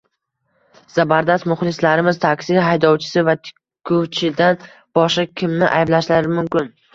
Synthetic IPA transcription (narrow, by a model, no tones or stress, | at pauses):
z̥abaɾd̪ast̪mʊχlˠɪslaɾɪmɪzt̪ʰakʲsiɦajd̪ɒwt͡ʃʰɪ̥sɪvat̪ʰ | kʰːʊt͡ʃʰɪd̪an | b̥ɒʃɑkʲʰɪmnɪʔa̰jblaʃlaɾɪmʊmkʲɪn